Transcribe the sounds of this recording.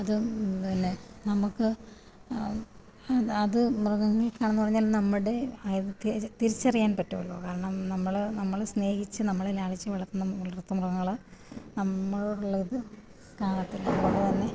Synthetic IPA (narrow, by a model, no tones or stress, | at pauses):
ɐðɨɐnːenɐmukːɨ | ɐðɨmruɣɐŋːɐɭkːaːɳɐnːɨpɐrɐɲːaːlnɐmːiɽe̞ɐðt̪it̪iɾit͡ɕːɐrijaːnpɐtːuɐɭokaːrɐɳɐmnɐmːɐɭnɐmːɐɭsne̞ːhit͡ɕːɨnɐmːɐɭelaːɭit͡ɕːɨʋɐɭɐrt̪ːunːɐʋɐrt̪ːɐmrɐɣɐŋːɐɭnɐmːɐɭoɽuɭːɐiðɨ | kaːɳɐt̪ːilɐɐɽet̪ɐnːe̞